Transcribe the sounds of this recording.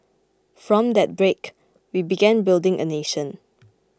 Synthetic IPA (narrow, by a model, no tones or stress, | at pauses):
fɹɔ̃md̪ɛt̚bɹek | wibiɡɛ̃nbɪldɪ̃ŋʔə̰neʃə̃n